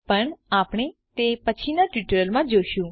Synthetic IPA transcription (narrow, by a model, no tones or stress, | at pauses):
pəɳapɳ̃et̪epət͡ʃʰinaʈiʈəɾəlmãd͡ʒoʃũ